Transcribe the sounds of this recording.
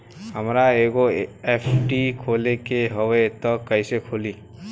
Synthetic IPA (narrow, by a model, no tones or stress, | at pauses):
ɦəmɾaeɡoepʰʈikʰolekeɦɔwet̪ɔkəjsekʰoli